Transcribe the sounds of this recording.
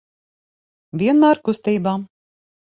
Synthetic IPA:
vʲiɛnmæːɾkust̪iːbaːm

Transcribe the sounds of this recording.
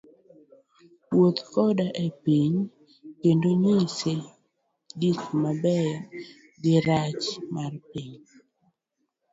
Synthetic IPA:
wot̪kɔdaʔepiɲ | kendoɲise | dikmabɛj | ɡɪɾat͡ʃmarpiɲ

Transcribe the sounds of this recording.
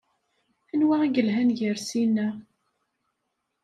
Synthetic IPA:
ænwaæɡəlɦænʝəɾsinːæ

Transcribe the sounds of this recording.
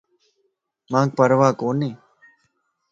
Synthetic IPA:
mãːk̚pəɾʋaːkoːnːẽː

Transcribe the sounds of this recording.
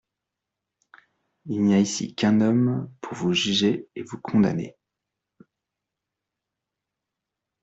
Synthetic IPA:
ilnijaisḭkʲɛ̃nɔmpʰuʁvuʒyʒeevukʰɔ̃d̪a̰nḛ

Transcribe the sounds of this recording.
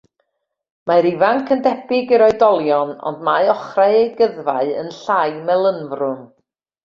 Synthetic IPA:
maɾivaŋkʰəndɛbɪɡiɾɔɨdɔlˠjɔnɔ̰ndmaɨɔχraɨeɡəðvaɨə̰nɬajmɛlˠənvrʊn

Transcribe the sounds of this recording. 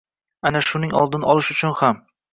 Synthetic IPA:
anaʃʊnɪŋɒ̰lˠd̪ɪnɪʔɒlˠɪʃʊt͡ʃʰʊnham

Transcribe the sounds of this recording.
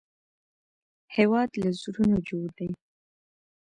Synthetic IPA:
hewɑd̪lazuɾunod͡ʒoɽd̪aj

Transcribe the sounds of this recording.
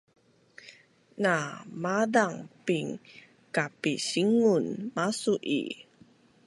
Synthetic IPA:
namadaŋpiŋ | kapiɕiŋunmasuʔḭ

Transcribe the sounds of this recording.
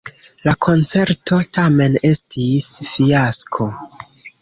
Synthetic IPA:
lakʰo̞nt͡se̞ɾtʰo̞tame̞ne̞stʰisfiaskʰo̞

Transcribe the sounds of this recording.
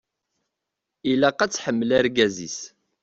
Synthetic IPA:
ilæqæt͡sːħəmːəlæɾɡæzḭs

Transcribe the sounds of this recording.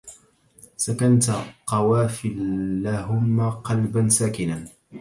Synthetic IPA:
sakant̪qɑwaːfɪlːaɦʊmːaqɑlbansaːkɪnan

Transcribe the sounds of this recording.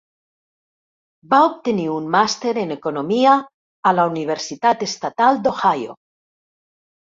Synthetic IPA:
baop̚t̪eniunmast̪e̞ɾenekonõmiaː | launiβ̞eɾsit̪at̪est̪at̪ald̪o̞xajo̰

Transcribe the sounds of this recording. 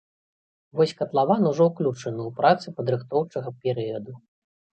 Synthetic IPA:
vɔsʲkɐt̪lˠavanuʐɔwklʲut͡ʂɐnɨwpɾat̪sɨpɐd̪ɾɨxt̪ɔwt͡ʂɐɣɐpʲɛɾɨjɐd̪u

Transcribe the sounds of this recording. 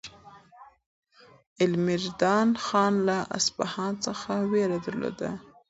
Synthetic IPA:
ɪlmɪɾd̪ɑnxɑnlaʔa̰spahɑnt͡səxaweɾad̪aɾlo̰d̪a̰

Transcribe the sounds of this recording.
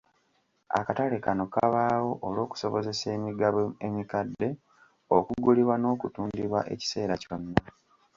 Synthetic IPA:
a̰katalekano̞ka̰βaːwo̞ʔːlo̞ːku̥so̞βo̞ze̞se̞ːmiɡaβoe̞mikadːe̞ | okuɡuliβwano̞ːkutuːndiβwa̰ʔe̞̰ci̥se̞ːɾaconːa

